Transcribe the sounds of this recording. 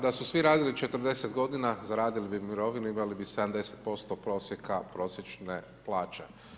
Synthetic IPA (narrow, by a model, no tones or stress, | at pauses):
d̪asusʋiɾaːd̪ilit͡ʃe̞t̪əɾd̪e̞set̪ɡo̞d̪inazaɾaːd̪ilibimiɾo̞ʋinuimalibise̞d̪amd̪e̞set̪̚po̞st̪opɾo̞ːsjekapɾo̞ːsjet͡ʃne | plˠaːt͡ʃe